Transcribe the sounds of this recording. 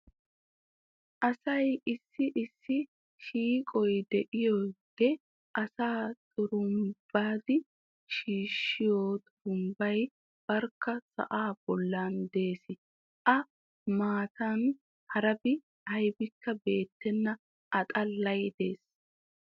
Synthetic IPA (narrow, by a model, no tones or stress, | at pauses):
ʔɐsɐjɪsːɪʔɪsːɪ | ʃiːkʼɔjd̪ɛʔɪjɔɡɛ | ʔɐsaːt̪ʼʊɾʊmb̥aːd̪ɪ | ʃiːʃːɪjoːt̪ʼʊɾʊmbɐj | b̥ɐɾkːɐsɐ̰ʔaːb̥ɔlːand̪e̞ːsɪ | ʔɐ | maːt̪ʰɐn | hɐɾɐbɪ | hɐjbɪkːɐbe̞ːt̪ːɛnːɐ | ʔɐt̪ʼɐlːɐjd̪e̞ːs